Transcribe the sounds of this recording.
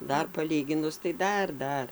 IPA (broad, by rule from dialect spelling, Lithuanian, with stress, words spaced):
ˈdɐr pɐˈlʲiːɡʲɪnʊs tɐɪ ˈdɐr ˈdɐr